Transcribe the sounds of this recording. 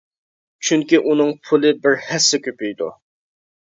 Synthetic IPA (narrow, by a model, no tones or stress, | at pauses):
t͡ʃʰyŋkʲiʔunɨŋpʰulˠɪbɪɾhɛsːɪkʲøpyjd̪ṵ